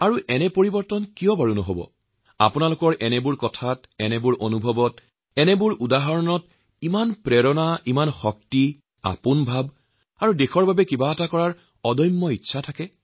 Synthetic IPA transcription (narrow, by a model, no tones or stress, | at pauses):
aɹuʔɛnɛpoɹibɔɹtɔnkijɔbaɹunɔɦobɔ̰ | a̰punalʊkɔɹʔɛnɛbʊɹkɔtʰatɛnɛbʊɹʔonubʱɔbɔt | ɛnɛbʊɹʔudaɦaɹɔnɔt | imanpɹɛɹɔnaʔimanxɔk̚ti | a̰pʊnbʱab | aɹudexɔɹbʱabɛkibaːtakɔɹaɹ | ɔdɔjmːɔitːʃʰatʰakɛ